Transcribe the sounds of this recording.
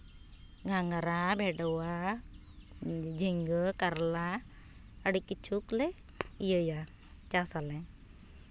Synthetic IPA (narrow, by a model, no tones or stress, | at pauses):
ɡʱaŋaɾabʱɛɖɔwa | d͡ʒʱiŋɡəkaɾla | əɽikit͡ʃʰuklɛ | ijəja | t͡ʃasalɛ